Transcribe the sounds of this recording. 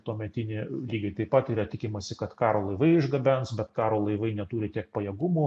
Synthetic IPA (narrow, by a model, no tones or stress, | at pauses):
t̪uːmʲɛt̪ʲɪnʲeːlʲiːɡʲɐɪt̪ɐɪpɐt̪iːɾɐt̪ʲɪkʲɪmɐsʲɪkɐt̪kɑːɾoːlˠɐɪʋɐɪɪʒɡɐbʲɛnsbʲɛt̪kɑːɾoːlˠɐɪʋɐɪnʲɛt̪uːɾʲɪt̪ʲiɛk̚pɐjɛɡʊmuː